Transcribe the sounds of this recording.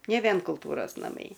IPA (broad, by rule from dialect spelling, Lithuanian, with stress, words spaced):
nʲɛ ˈʋʲiɛn kʊlˠˈtuːroːs nɐˈmɐɪ